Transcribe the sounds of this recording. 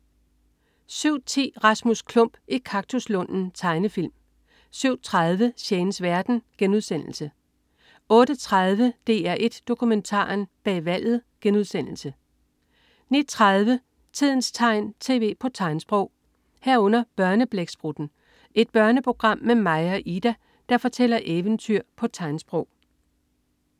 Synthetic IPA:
syʊ̰t͡sʰe̝̰ːʁɑ̈smuskʰlɔ̽m̰b̥ʔikʰɑ̈ɡ̥̚t͡sʰuslɔ̽n̰n̩t͡sʰɑ̈ɪnəfil̰m | syʊ̰t͡sʰʁɑð̞ˠʋəɕeːnəsʋæɐd̥n̩ɡ̥enuð̞ˠsen̰l̩sə | ɔ̽ːɾ̥ət͡sʰʁɑð̞ˠʋəd̥e̝̰ːæɐʔe̝d̥ːo̝kʰument͡sʰɑ̰̈ːnb̥ɛ̰ːʋæl̰ð̞̩ˠɡ̥enuð̞ˠsen̰l̩sə | nid̥̚t͡sʰʁað̞ˠʋə | t͡sʰið̰ˠn̩st͡sʰɑ̈ɪ̰nt͡sʰe̝̰ːʋe̝̰ːpʰɒ̽t͡sʰɑ̈ɪnsb̥ʁɔʊ̰ | hæɐ̰ɔ̽n̰ɐb̥ɶɐnəb̥leɡ̥sb̥ʁud̥n̩ | ʔe̝d̥̚b̥ɶɐnəpʰo̝ɡ̥ʁɑ̈m̰mːemɑ̈ɪɐʔid̥æ | d̥ɑ̈fɒ̽t͡sʰel̰ɐʔeʋənt͡sʰyɐ̰pʰɒ̽t͡sʰɑ̈ɪnsb̥ʁɔʊ̰

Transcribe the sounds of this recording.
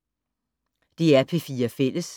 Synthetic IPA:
d̥iæɐpʰe̝fiːɐfel̰əs

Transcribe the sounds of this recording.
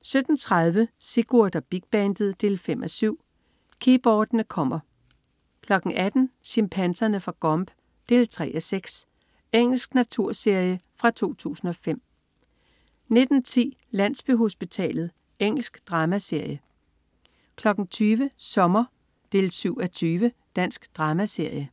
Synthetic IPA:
sød̥n̩t͡sʰʁaðˠʋəse̝ɡ̥uɐd̥ɐb̥iɡ̥̚b̥ɛnd̥ð̩ˠd̥e̝ːlfem̰ʔɒsyʊ̰ | kʰib̥ɒːd̥nəkʰɒ̽m̰ɐ | kʰlɒ̽ɡ̥ŋ̩ʔæd̥n̩ɕimpʰænsɐnəfʁɑ̈ɡ̥ɒ̽mb̥ | d̥e̝ːlt͡sʰʁɛ̰ːʔɒseɡ̥s | eŋ̰l̩sɡ̥næt͡sʰuɐ̰se̝ɐ̰jəfʁɑ̈t͡sʰo̝̰ːt͡sʰṵːsn̩ɒ̽fem̰ | ne̝d̥n̩t͡sʰḭː | læn̰sb̥yɦo̝sb̥it͡sʰɛ̰ːlð̞̩ˠ | eŋ̰l̩sɡ̥d̥ʁɑ̈ːmæse̝ɐ̰jə | kʰlɒ̽ɡ̥ŋ̩t͡sʰyːʋəsɒ̽mɐ | d̥e̝ːlsyʊ̰æt͡sʰyːʋə | d̥æn̰sɡ̥d̥ʁɑ̈ːmæse̝ɐ̰jə

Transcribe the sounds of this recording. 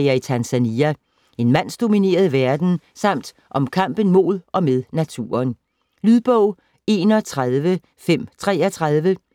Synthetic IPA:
ɐit͡sʰænsæniæ | e̝nmæn̰sd̥o̝mine̝̰ːɐð̞ˠʋæɐd̥n̩ | sɑ̈m̰d̥ | ʔɒ̽mkʰɑ̈m̰b̥ən̩mo̝ð̞ˠʔɒ̽meðˠnæt͡sʰṵːɐn | lyð̞ˠb̥ɔʊ̰ | e̝ːnɒ̽t͡sʰʁaðˠʋə | fem̰t͡sʰʁɛ̰ːɒt͡sʰʁað̞ˠʋə

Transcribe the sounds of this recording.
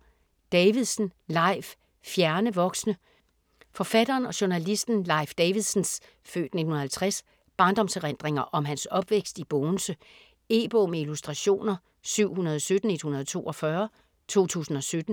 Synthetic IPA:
d̥ɛʋiðˠsn̩lɑ̈ɪf | fjæɐnəʋɒ̽ɡ̥snə | fɒ̽fæd̥ɐːnɒ̽ɕo̝nælisd̥n̩lɑ̈ɪfd̥ɛɪʋiðˠsn̩s | fø̰ːd̥ne̝dn̩hun̩ɐhælt͡sʰʁas | b̥ɑ̈ːnd̥ɒ̽msʁend̥ʁeŋɐʔɒ̽mɦænsɒ̽b̥ʋeɡ̥sd̥ib̥ɔːnsə | e̝̰ːb̥ɔːmeilusd̥ʁɑ̈ɕo̝̰ːnɐ | syʊ̰hunɐð̞ˠɒsød̥n̩e̝d̥hunɐð̞ˠt͡sʰo̝̰ːʔɒ̽fɶɐ | t͡sʰo̝̰ːt͡sʰṵːsn̩ɒ̽sød̥n̩

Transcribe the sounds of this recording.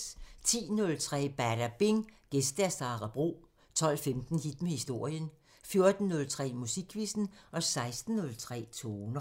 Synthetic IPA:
t͡sʰḭːnɔ̽lt͡sʰʁɛ̰ːb̥æɐɾ̥æb̥eŋɡ̥esd̥æsɑ̈ʁɑb̥ʁo̝̰ː | t͡sʰɒ̽l̰femd̥n̩hid̥mehisd̥o̝ɐ̰jən | fjo̝ɐd̥n̩ːɔ̽lt͡sʰʁɛ̰ːmusiɡ̥ʰʋisn̩ʔɒ̽sɑ̈ɪsd̥n̩ːɔ̽lt͡sʰʁɛ̰ːt͡sʰoːnə

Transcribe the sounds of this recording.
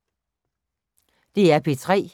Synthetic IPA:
d̥e̝æɐpʰet͡sʰʁɛ̰ː

